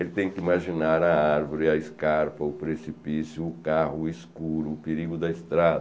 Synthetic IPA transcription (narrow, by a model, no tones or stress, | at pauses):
elɪt̪ẽj̃kɪimaʒinaɾɐaɾvoɾɪɐɪskaɾpɐʊpɾesipisjʊːkahʊeskkuɾʊːpeɾiɡʊd̪ɐist̪ɾad̪ɐ